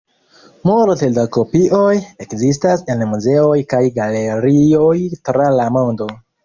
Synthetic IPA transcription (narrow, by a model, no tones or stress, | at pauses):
moltedako̞piʔo̞je̞kzistase̞nmuze̞o̞jkajɡale̞ɾio̞jtɾalamondo̞